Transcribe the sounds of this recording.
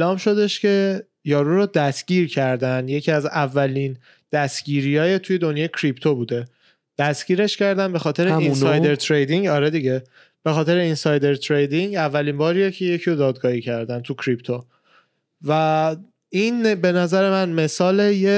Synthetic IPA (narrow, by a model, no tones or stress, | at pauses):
elɒːmʃo̞d̪e̞ʃce̞ | jɒːɾuɾod̪æsɟ̥ʲiːɾcʰæɾd̪ænje̞cʰiæzævːælin | d̪̥æst̪ɟ̥iːɾiːɒːjet̪ʰuje̞d̪onjɒːjecʰɾipt̪ʰobuːd̪e̞ | d̪̥æsɟ̥iːɾe̞ʃcæɾd̪ænbe̞xɒːt̪ʰe̞ɾeinsɒj̪eɾt̪ʰɾejd̪iŋɡɒɾed̪iɟe | b̥e̞xɒːt̪ʰe̞ɾeinsɒːjd̪e̞ɾt̪ʰɾejd̪iŋɟævːæliːmbɒːɾiːjecʰe̞je̞cʰiɾod̪ɒːd̪̚ɡɒːhiːcʰæɾd̪ænt̪ʰucʰɾipt̪ʰo | væ | inbe̞næzæɾe̞mænme̞sɒːleje